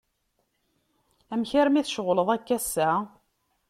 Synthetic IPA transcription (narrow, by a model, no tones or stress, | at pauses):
æmçəɾmiθʃəʁləðˤækːæsːæ